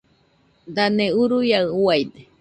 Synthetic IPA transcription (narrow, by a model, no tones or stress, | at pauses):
d̪aneuɾujawajd̪e